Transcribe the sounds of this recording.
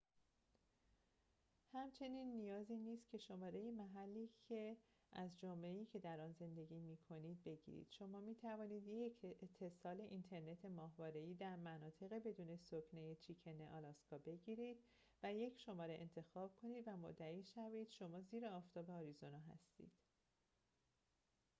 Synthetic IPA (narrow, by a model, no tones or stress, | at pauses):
hæmt͡ʃʰe̞niːnːijɒːziːniːst̪̚cʰe̞ʃo̞mɒːɾe̞jimæɦælːiːcʰe̞ | ʔæzd͡ʒomle̞iːcʰe̞d̪æɾɒːnze̞nd̪e̞ɡiːmiːkʰo̞niːd̪̚be̞ɟḭːɾḭːd̪̥ʃo̞mɒːmiːt̪ʰævɒːniːd̪jecʰet̪ʰːe̞sɒːle̞ʔint̪ʰe̞ɾne̞t̪ʰe̞mɒːɦvɒːɾe̞iːd̪æɾmænɒːt̪ʰe̞ɣe̞be̞d̪uːne̞soknejet͡ʃʰicʰeneʔɒlɒskʰɒːbe̞ɟiːɾiːd̪̥ | væje̞cʰʃo̞mɒːɾeʔḛnt̪ʰe̞xɒːb̥̚kʰo̞niːd̪væmo̰d̪ːæiːʃæviːd̪̥ʃo̞mɒːziːɾeɒːft̪ʰɒːbe̞ɒːɾizo̞nɒɦæ̰st̪ḭːd̪̥